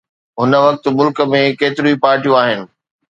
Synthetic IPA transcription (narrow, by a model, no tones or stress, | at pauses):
ɦʊnə̆ʋɐk̚t̪̆mʊlkə̆mẽkeːt̪ɪɾuipaːɾʈijũaːɦɪnɪ̆